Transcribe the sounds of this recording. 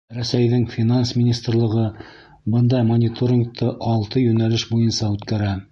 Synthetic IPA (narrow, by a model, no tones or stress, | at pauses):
ɾæsæjðɘŋfʲinansmʲɪnʲist̪rlˠɤ̆ʁɤ | bɤnd̪ɑjmonʲit̪oɾʲɪŋk̚t̪ʰɤʔɑlˠt̪ɤjɵnælɘʃbujɤnsɑʉt̪kæɾæ